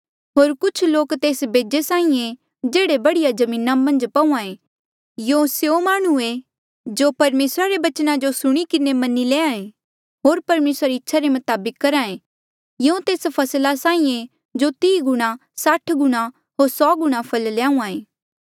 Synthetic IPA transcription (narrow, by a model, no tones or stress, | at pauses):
ɦoːɾkʊt͡ʃʰloːkt̪eːsbeːd͡ʒesãːĩẽ | d͡ʒeːɽebɐɽijad͡ʒɐmĩːnamɐ̃nd͡ʒpɐũãẽ | jõsjomaːɽ̃ue | d͡ʒopɐɾmeːsɾaɾebɐt͡ʃnãd͡ʒosʊɽ̃ikɪnemɐnileːãẽ | ɦoːɾpɐɾmeːsɾaɾiɪtːʃʰaɾemɐt̪aːbɪkːɐɾãːẽ | jõt̪eːspʰɐslasaːĩẽ | d͡ʒot̪iːɡʊɽ̃ãsaʈʰɡʊɽ̃ã | ɦoːɾsɔːɡʊɽ̃ãpʰɐlljãːũãːeː